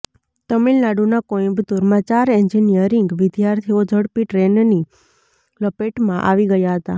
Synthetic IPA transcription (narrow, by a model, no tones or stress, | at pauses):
t̪əmilnaɽunakoĩbd̪uɾmãt͡ʃaɾɛɲd͡ʒinijəɾiŋɡʋɪd̪jaɾt̪ʰiod͡ʒʱəɽpiʈɾenni | ləpeʈmãʔa̰ʋiɡəjaɦət̪a̰